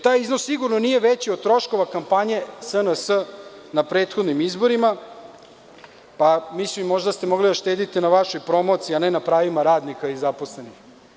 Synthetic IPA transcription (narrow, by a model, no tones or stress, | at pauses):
t̪aːjiznosːiɡuɾnonijeʋet͡ɕiod̪̚t̪ɾo̞ʃko̞ʋakampaɲe̞sənəsənapɾeːt̪xo̞d̪nimizbo̞ɾima | pamislimːo̞ʒd̪ast̪emo̞ɡlid̪aʃt̪eːd̪it̪inaʋaʃo̞jpɾo̞mo̞t̪siːanenapɾaːʋimaɾaːd̪nikaizapo̞sle̞nix